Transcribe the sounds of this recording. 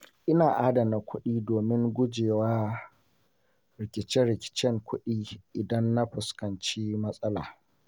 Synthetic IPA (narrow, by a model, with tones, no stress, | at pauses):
ʔɪ˦naː˨ʔaː˦da˨na˨kʷʰʊ˦ɗiː˦doː˨mɪ˦ŋɡʷʊ˦d͡ʒeː˨waː˦ | ɾɪ˨kʲɪ˨t͡ʃɛ˦nɾɪ˨kʲɪ̥˨t͡ʃɛ˦ŋkʷʊ˦ɗiː˦ʔɪ˨dɐ˦nːa˦ɸʊ˨skɐ˨nt͡ʃiː˦mɐ˦sʼɐ˦la̰ː˨